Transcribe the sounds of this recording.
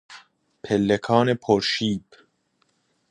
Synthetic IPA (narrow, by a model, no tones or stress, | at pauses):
pʰelːekʰɒːnepʰoɾʃiːb̥